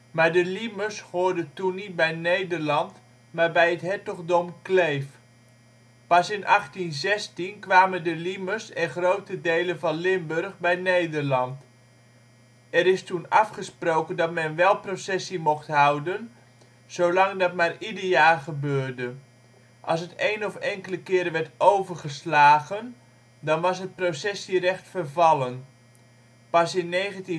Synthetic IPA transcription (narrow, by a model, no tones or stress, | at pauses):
maːɹdəliməshoːɹdətunːit̚bɛjnejdərlɑnt | maːɹbɛjətɦɛtɔɣdɔmklejf | pɑsɪnʔɑχtinzɛstinkʋaːməndəliməsɛnχrowtədejlənvɑnlɪmbørχbɛjnejdərlɑnt | ɛɾɪstunɑfχəsprowkəndɑtmɛnʋɛlˠprosɛsimɔxtɦawdən | sowlɑŋdɑt̚maːridəɹjaːrχəbøːrdə | ʔɑlˠs̬ətejnɔfɛŋkələkɪːɾəʋɛrtowvərχəslaːɣən | dɑnʋɑsɦət̚prosɛsirɛχtfərvɑlˠən | pɑsɪnːeːχənti